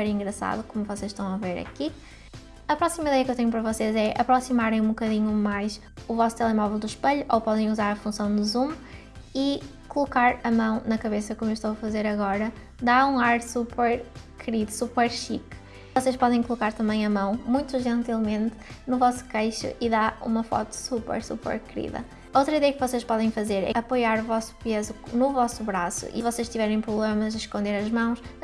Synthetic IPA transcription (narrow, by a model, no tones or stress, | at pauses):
pɛɾĩŋɡɾɐsa̰ðukomuvɔsezʃt̪ɐ̃w̃ɐveɾɐ̰ki | ɐpɾɔsimɐiðɛjɐkewt̪ẽɲupɐɾɐvɔsezɛʔɐ̰pɾɔsimaɾẽj̃ũbukɐðiɲumajʃ | uvɔsu̥t̪ɛlˠɛmɔvɛlˠd̪uʃpɐʎuʔopɔðẽj̃uzaɾɐfũsɐ̃w̃d̪uzum | i | kulˠukaɾɐmɐ̃w̃nɐkɐβesɐkomuewʃt̪owɐfɐzeɾɐɣɔɾɐ | d̪aɾũaɾsupɛɾkʰɨɾiðusupɛɾʃik | vɔseʃpɔðẽj̃kulˠukaɾt̪ɐ̃mɐ̃j̃ɐmɐ̃w̃mũj̃t̪uʒẽnt̪ilˠmẽnt̪nuvɔsu̥kejʃṵʔiðaɾṵmɐfɔ̰t̪u̥supɛ̰ɾsṵpɛ̰ɾkɨɾḭðɐ̰ | owt̪ɾɐiðɛjɐkvɔseʃpɔðẽj̃fɐzeɾɛ̰ɐpojaɾuvɔsu̥pezunuvɔsuβɾasṵʔḭvɔseʃt̪ivɛɾẽj̃pɾuβlˠemɐziʃkõnd̪eɾɐʒmɐ̃w̃ʃ